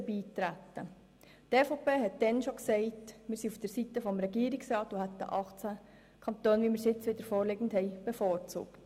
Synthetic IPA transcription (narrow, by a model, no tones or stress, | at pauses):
əbiːtɾætːə | tɛfopeːɦɛt̚d̥ɛnʃoksɛɪtmɪːɾsiufd̥əɾsitːəfɔmɾɛɡiːɾiksrɑːtohæt̪̚d̪ə̰ʔɑχt͡sæ | kʰɑnt̪oːnʋimɪːɾsɪt͡sʋɪd̪əɾfɔːɾlɪɡən̩thɛɪb̥efɔːɾt͡sṵːkt